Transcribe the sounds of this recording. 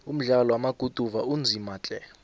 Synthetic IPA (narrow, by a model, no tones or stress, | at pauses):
um̩ɮalɔwamaɡ̥ʱud̥ʱuvaund͡zʱimaːt͡ɬʼɛ